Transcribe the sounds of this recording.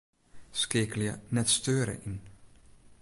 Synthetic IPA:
skɪːkəljənɛtstøːɾə̰ʔin

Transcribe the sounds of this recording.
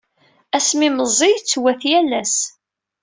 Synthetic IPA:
æsmiməzˤijt͡sːwæθjælːæs

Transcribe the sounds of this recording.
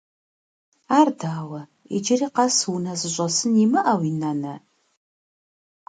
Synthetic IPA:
aːrdaːwɐ | ḭd͡ʒɪriːqaswunɐzɨɕʷʼɐsɨnimɨʔawinanɐ

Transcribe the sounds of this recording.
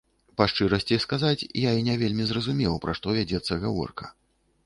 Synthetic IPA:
paʂt͡ʂɨɾɐsʲt͡sʲiskazat͡sʲjainʲɛvʲelʲmʲizrɐzumʲɛwpɾaʂt̪ɔvʲad͡zʲɛt̪sːɐɣavɔ̰rkɐ̥

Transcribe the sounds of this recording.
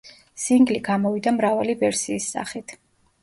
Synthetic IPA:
siŋɡliɡamɔvid̪amɾavalivɛɾsiːsːa̰χit̪ʰ

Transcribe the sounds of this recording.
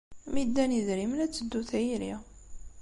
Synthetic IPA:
mid̪ːæniðɾimənæt͡sːəd̪ːuθjɾḭ

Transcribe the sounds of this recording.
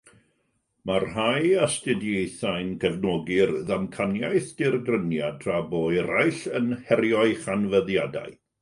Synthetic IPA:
marhajastɪdjejθajnkʰɛvnɔɡɪrðamkʰanjajθd̥ɪrɡrənjadʰraboɛɾajɬənhɛɾjɔɨχanvəðjada̰ɨ

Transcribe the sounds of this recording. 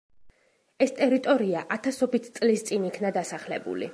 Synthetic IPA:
ɛst̪ʼɛɾit̪ʼɔɾiaʔat̪ʰasɔbit̪ʰt̪sʼlist̪sʼinikʰnad̪asaχlɛ̰bṵlḭ

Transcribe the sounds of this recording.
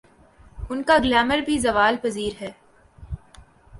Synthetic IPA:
ʊnkaɡlɛːməɾbʱizɐʋaːlpɐziːɾɦɛː

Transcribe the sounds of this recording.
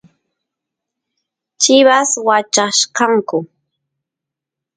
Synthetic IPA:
t͡ʃɪβaswat͡ʃaʃkɑŋkʊ

